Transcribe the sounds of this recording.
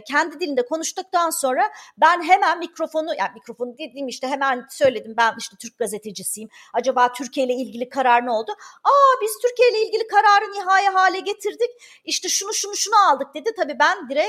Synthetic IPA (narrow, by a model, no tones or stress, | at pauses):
cʰɛnd̪id̪ilʲind̪ɛkʰo̞nuʃt̪uk̚t̪ʰanso̞nɾabænɦe̞mænmicɾo̞fo̞nuja̰ːmicɾo̞fo̞nud̪ed̪iːmiʃt̪ʰɛɦe̞mænsø̞jlʲe̞d̪imbæniʃt̪ɛt̪ʰyɾc̚ɡaze̞t̪ʰed͡ʒisijim | ad͡ʒabaːt̪ʰyɾcʰijejlʲɛilʲɟilʲikʰaɾaɾɯno̞lˠd̪ʊaːbiz̥t̪ʰyɾcijejlʲɛilʲɟʲilʲikʰaɾaːɾɯniɦaːjɛɦaːlʲɛɟe̞t̪ʰiɾd̪ic | iʃt̪ɛʃunuʃunuʃunualˠd̪ɯk̚d̪e̞d̪it̪ʰabiːbænd̪iɾɛ